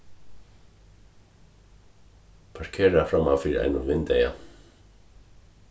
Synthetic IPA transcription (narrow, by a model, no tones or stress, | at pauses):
pʰaɾ̥kʰɛːɾafɾamawfɪɾɪɾa̰jnʏvɪnt̪ɛja